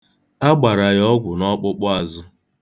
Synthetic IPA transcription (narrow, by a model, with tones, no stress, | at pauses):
a˦ɡ͡ba˨ɾa˨jɔ˦ɡʷʊ˨nɔ˦k͡pʊ˦k͡pʊ˦a˨zʊ˦